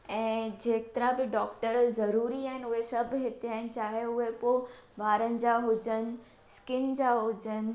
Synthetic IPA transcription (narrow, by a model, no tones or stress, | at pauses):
ɛ̃ːd͡ʑeːt̪əɾãbɪɖɔːk̚ʈəɾzɐɾuːɾiaːɦɪ̃nɪʊɦesɐbʱɦɪt̪eaːɪnɪ̆t͡ɕaːɦeʊɦepoː | baːɾənɪ̆d͡ʑaɦʊd͡ʑənɪ̆ | skɪnd͡ʑaːɦʊd͡ʑənɪ̆